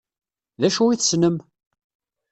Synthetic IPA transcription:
ðæʃuiθəsnəm

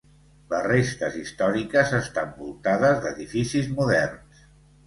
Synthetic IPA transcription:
lərest̪əzist̪ɔɾikəzəst̪ambulˠt̪aðəzðəðifisizmuðɛrns

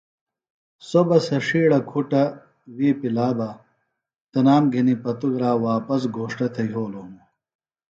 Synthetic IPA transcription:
sobɐsɐʂiːɽɐkʰuʈɐ | wiːpilaːbɐ | t̪ɐnaːmɡʱinipɐt̪uɡɾaːwaːpɐs̬ɡʱoːʂʈɐt̪ʰɐjɦoːloːmu

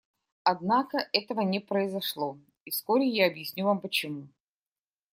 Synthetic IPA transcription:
ɐd̪nakəʔɛt̪əvənʲɪpɾəɪzɐʂlˠo | iskoɾʲɪjaːbjɪsʲnʲuvampət͡ɕɪmu

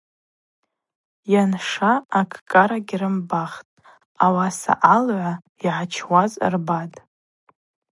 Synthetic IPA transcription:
janʂaːkʰʼkʼaɾaɡʲrɨmbaχtʼ | awasa̰ʔalʕʷa | iʕat͡ʃʰwaz̰rbatʼ

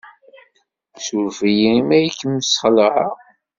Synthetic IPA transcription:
suɾvijimæjəkːəmːsχləʕa

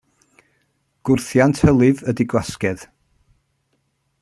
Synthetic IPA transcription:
ɡ̥ʊrθjantʰhəlˠɨvədiɡwaskɛð

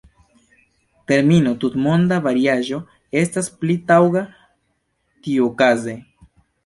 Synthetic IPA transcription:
te̞ɾmino̞tutmo̞ndavaɾiaʒo̞ | e̞stasplitawɡa | tiuokaze̞

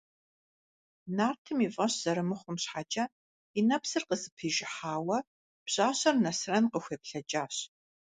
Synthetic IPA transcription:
naːrtʰɨmifʼɐɕz̥ɐɾɨmɨχʷʊmɕħat͡ʃʼɐ | inɐpsɨrqəzɨpʰiːʒɪħaːwɐ | b̥ɕaːɕɐrnɐsrɐnqəxʷeːpɬɐt͡ʃʼaːɕ

